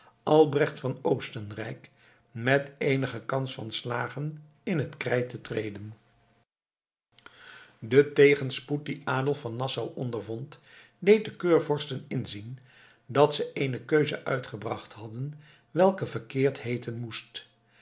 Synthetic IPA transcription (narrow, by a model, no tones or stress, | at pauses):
ʔɑlˠbrɛχtfɑnowstənrɛ̰jk | mɛtejnəχəkɑnsfɑ̰nslaːχən | ɪnɦətkrɛjtətrejdən | dətejχənsput̚diʔaːdəlˠfɑnːɑsawʔɔndəɹvɔnt | dejt̚dəkøːɹvɔɹstənɪnzin | dɑtsəʔejnəkøɥzə̰ʔœ̰ɥtχəbrɑχthɑdən | ʋɛlˠkəvəɹkɪːɹtɦejtənmust